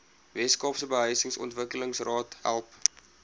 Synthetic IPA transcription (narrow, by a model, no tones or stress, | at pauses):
vɛskɑːfsəbəɦəɥsəŋsɔ̰ntvəkələŋsrɑːtɦæ̰lˠp